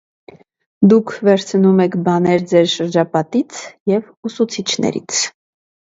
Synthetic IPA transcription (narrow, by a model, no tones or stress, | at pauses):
d̪ukʰvɛɾt͡sʰnumɛkʰbɑnɛɾd͡zɛɾʃəɾd͡ʒɑpɑt̪it͡sʰjɛv | usut͡sʰit͡ʃʰnɛ̰ɾḭt͡sʰ